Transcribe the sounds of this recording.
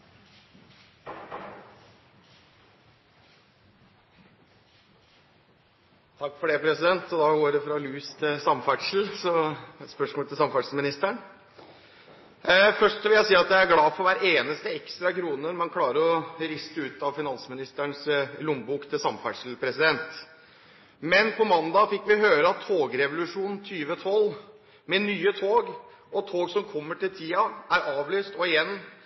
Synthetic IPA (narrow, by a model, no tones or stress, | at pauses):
t̪ʰɑkːfɔɖɛpʰɾɛsɪd̪ɛnt̪ɔd̪ɑːɡoːɖɛfɾɑlʉːɪst̪ʰɪlsɑmfæʈʂl̩sɔspœʂmoːlt̪ʰɪsɑmfæʈʂlmɪnɪst̪əɳ | fœʂʈʋɪljæɪsiːɑt̪jæɪæɡlɑːfɔɾʋæɾeːnəst̪əɛkst̪ɾɑkʰɾuːnəɾmɛnkʰlɑːɾəɾɔɾɪst̪əʉːt̪ɑʋfɪnɑnsmɪnɪst̪əɳslʊmbuːkt̪ʰɪlsɑmfæʂlpʰɾɛsɪd̪ɛnt̪ | mɛnpʰɔmɑnd̪ɑfɪkːʋɪɦøːɾəɑt̪ʰːoːɡɾɛʋʊlʉʂuːnn̩t̪ʰyːʋət̪ʰɔlː | mɛnyːət̪ʰoːɡ | ɔt̪ʰoːɡsɔmkʰɔmːəʈɪlt̪ʰiːɑʔæɾɑːʋlyːst̪ɔɪjɛnː